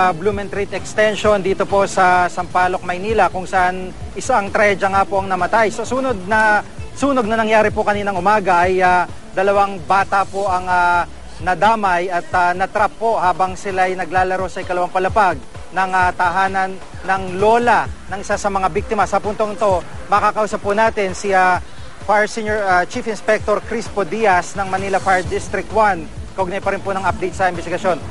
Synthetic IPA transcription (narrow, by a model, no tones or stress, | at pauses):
bluːmɛnt̪ɾit̪ɛkst̪ɛnʃo̞nd̪iːt̪o̞po̞sɐsɐmpaːlo̞k̚mɐjniːlɐkʊŋsɐʔan | ʔɪsaʔɐŋt̪ɾɐɛd͡ʒɐŋapo̞ʔɐŋnɐmɐt̪ajso̞suːnod̪̚nɐsuːnoɡ̚nɐnɐŋjaːɾɪpokɐniːnɐŋʔʊmaːɡɐʔɐja | d̪ɐlɐwaŋbaːt̪ɐpo̞ʔɐŋa | nɐd̪aːmɐjɐt̪anɐt̪ɾapːo̞haːbɐŋsɪlajnɐɡlaːlɐɾo̞sɐʔɪkɐlɐwaŋpɐlɐpaɡ̚ | nɐŋɐt̪ɐɦaːnɐnː | ɐŋlo̞ːlɐnɐŋʔɪsasɐmɐŋabik̚t̪ɪmɐsɐpʊnt̪oŋɪt̪o̞ | mɐkakɐʔuːsɐpːʊnaːt̪ɪnsɪa | faɹsinjoɹɐt͡ʃifɪnspɛk̚t̪oɾkɾispod̪ijɐsnɐŋmɐnilɐfaɹd̪ist̪ɾɪk̚t̪̚wan | kɐʔoɡnajpɐɾɪnponɐŋɐp̚d̪ɛjt̪̚sɐɪnbɛst̪ɪɡɐʃjo̞n